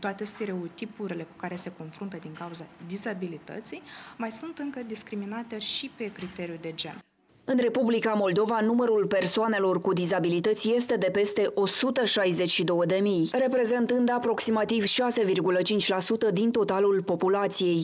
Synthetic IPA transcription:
t̪oat̪est̪eɾeut̪ipuɾile̞ku̥kaɾe̞se̞ko̞nfɾunt̪əd̪iŋkauzad̪izabilit̪ə̰t̪sijmajsunt̪ɨŋkəd̪iskɾiminat̪e̞ʃipe̞kɾit̪e̞ɾjud̪e̞d͡ʒe̞̰n | ɨnre̞publikamo̞ld̪o̞vanuməɾulpe̞rsoane̞lo̞rkud̪izabilit̪ət̪sʲje̞st̪e̞d̪e̞pe̞st̪e̞ʔo̞sut̪əʃajze̞t͡ʃʲʃid̪o̞wəd̪e̞mijre̞pɾe̞ze̞nt̪ɨnd̪apɾo̞ksimat̪ivʃase̞virɡulət͡ʃint͡ʃʲlasut̪əd̪int̪o̞t̪alulpo̞pulat̪sije̞j

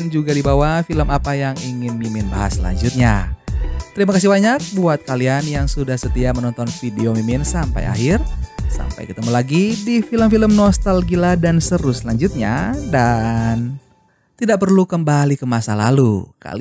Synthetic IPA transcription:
nd͡ʒuɡadibawafiləmapajaŋiŋɪnmimɪnba̰ɦa̰sla̰ɲd͡ʒut̪̚ɲa̰ | t̪əɾimakas̬ibaɲak̚buat̪̚kalianjaŋsudahsət̪iamənɔnt̪ɔnfideomimɪnsampa̰ja̰ɦɪrsa̰mpa̰jkət̪əmulaɡidifiləmfiləmnɔst̪alɡiladansəɾʊslaɲd͡ʒut̪̚ɲa̰dan | t̪idaʔ̚pərlukəmbalikəmasala̰lṵka̰

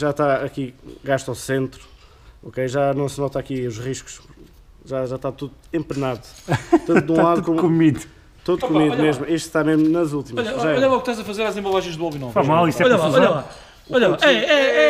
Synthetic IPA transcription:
ʒat̪aɐkiɣaʃt̪awsẽnt̪ɾu | ɔkejʒanɐ̃w̃snɔt̪akiuʒʁiʃku̥ʃ | ʒaʒaʃt̪at̪uðuẽmpnaðut̪ɐ̃t̪d̪ũlˠaðkomkumið | t̪uðkummiðmeʒmuiʃt̪t̪ameʒmunɐzulˠt̪imɔʎɐʒaɔʎɐlaukʃt̪azɐfɐzeɾazẽmbɐlˠaʒẽj̃ʒd̪uavjunɔfaʒmalˠist̪ɛɔʎɔʎɐa | uɔʎɐ̃at̪ɛɛɛ

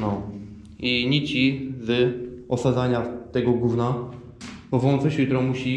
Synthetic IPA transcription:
nɔ | iɲit͡ɕivɘɔsad̪zaɲat̪ɛɡɔɡuvna | bɔvɔ̃nsɔɕit̪ɾɔ̃muɕi

